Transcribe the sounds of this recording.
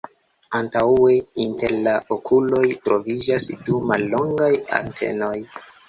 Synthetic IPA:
antawe̞inte̞ɾlaʔokʰulo̞jtɾo̞vid͡ʒasdumalːo̞ŋɡaja̰ntʰe̞̰no̞j

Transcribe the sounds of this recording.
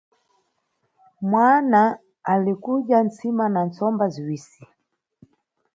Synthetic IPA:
mwanaː | likuɗjant͡simanant͡sɔmbaziwiːsi

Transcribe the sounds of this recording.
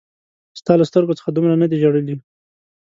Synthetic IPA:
st̪ɑlast̪əɾɡot͡sə̥xad̪umɾanad̪iʒoɽəli

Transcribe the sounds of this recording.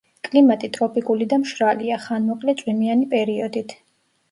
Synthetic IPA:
kʼlimat̪ʼit̪ʼɾɔpʰʼikʼulid̪amʃɾaliaχanmɔqʼlɛt̪sʼwimianipʼɛɾiɔd̪it̪ʰ

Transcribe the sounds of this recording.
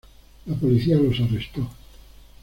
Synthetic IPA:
lapolit̪sialosarːest̪ɔ

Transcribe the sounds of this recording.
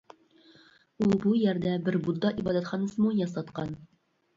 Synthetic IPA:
ulˠbujæɾd̪æbɪɾbud̪ːɑʔibɑd̪æt̪χɑnɑsɤmujɑsɑt̪qɑn

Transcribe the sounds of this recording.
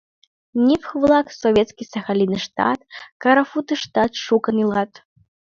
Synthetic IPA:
nʲipxvlˠaksɔvʲɛt̪skʲisɐxalʲinɨʂt̪a̰t̪kɐɾafut̪ɨʂt̪at̪ʂukɐnɨlˠat̪

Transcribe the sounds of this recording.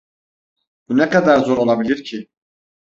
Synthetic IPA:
b̥unɛkad̪aɾzo̞ɾo̞lˠabilʲiɾcʰi

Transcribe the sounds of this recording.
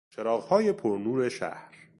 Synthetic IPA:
t͡ʃʰeɾɒːɣhɒːje̞pʰoɾnuːɾe̞ʃæ̰hɾ

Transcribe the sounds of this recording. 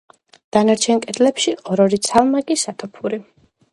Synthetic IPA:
d̪̥anaɾt͡ʃʰɛnkʼɛd̪ʼlɛpʃiɔɾɔɾit̪sʰalˠmaɡʼisat̪ʰɔpʰuɾi

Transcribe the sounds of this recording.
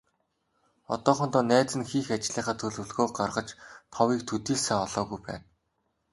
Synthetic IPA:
ɔ̰t̪ɔːχɞ̆nt̪ɔːnæːt͡sɘ̆nxiːxat͡ɕɮiːχaːt̪ʰɵɮɵ̆ɮɣoːɢarʁə̆t͡ɕt̪ʰɔwiːk̚t̪ʰɵt̪iːsæːɔɮɔːɣujpæ̰ːn

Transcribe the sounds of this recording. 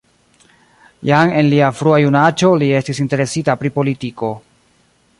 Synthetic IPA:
jaŋe̞nliafɾuajunat͡ʃo̞lie̞stisinte̞ɾe̞sitapɾipo̞litiko̞

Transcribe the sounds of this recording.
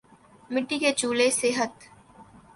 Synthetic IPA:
mɪʈːiket͡ʃuːlesɪɦət̪

